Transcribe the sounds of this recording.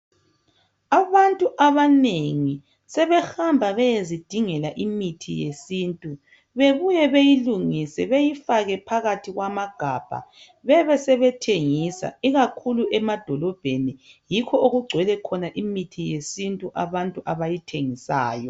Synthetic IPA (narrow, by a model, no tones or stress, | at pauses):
aβantʼuʔaβaneŋi | sɛβɛxambʱaβɛjezid̥ʱiŋɛlaʔimitʰijesiːntʼu | βeβujɛβejiluŋisɛβejifaɣɛpʰaɣatʰiɣwamaɡ̥ʱaːb̥ʱa̰ | βɛβɛsɛβɛtʰeŋisa̰iɣakʰuluʔɛmad̥ʱɔlɔb̥ʱenijikʰɔoɣuɡ͡ǀʱwɛlɛkʰɔnaʔimitʰijesintʼuʔaβantʼuʔaβajitʰeŋisa̰ːjɔ